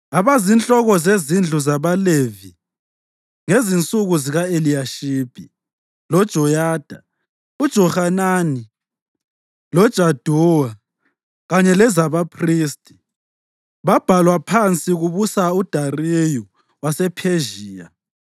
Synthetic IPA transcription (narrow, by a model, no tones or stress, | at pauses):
aβazint͡ɬʼɔɣɔzezind͡ɮʱuzaβalevi | ŋezint͡sʼuɣuziɣaelijaʃib̥ʱi | lɔd̥ʒ̥ʱɔjaːd̥ʱa | ud̥ʒ̥ʱɔhanani | lɔd̥ʒ̥ʱad̥ʱuwa | ɣaɲɛlɛzaβapʰriːstʼi̥ | βab̥ʱalwapʰant͡sʼiɣuβusaud̥ʱareju | wasɛpʰeʒiːja̰